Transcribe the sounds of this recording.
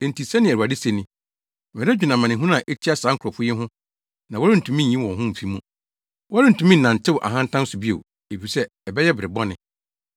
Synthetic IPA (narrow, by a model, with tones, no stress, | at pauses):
ɛ˨n̩˨tʰi˨sɛ̃˦nɪ̃˨æ˨u˨a˨dɪ˦se˦nɪ̃˦˨ | mɛ̃˨ɾɛ˦d͡ʑᶣu˨nã˨mã˨nɪ̃˨ɦũ˦n˦ã˨ʔɛ˦tʰi˦a˦saː˨˦ŋ̩˦kʰɾɔ˨fʊ˦jɛ˦ɦʊ̃˦ | nã˨wɔ˦ɾɪ˦n̩˨tʰũ˨mĩ˦n̩˨ɲĩ˦wɔ̃˨ɦʊ̃˦m̩˨fi˦mũ˦ | wɔ˦ɾɪ˦n̩˨tʰũ˨mĩ˦n̩˨nã˨n̩˨tʰɪ˦˨ʔa̰˨ɦã˦n̩˦tʰã˦n˦sʊ˨bi˦o̰˨ | e˨fi˨sɛ˦ | ɛ˨bɛ˦jɛ˦bɪ˨ɾɪ˨bɔ˦nɪ̃˨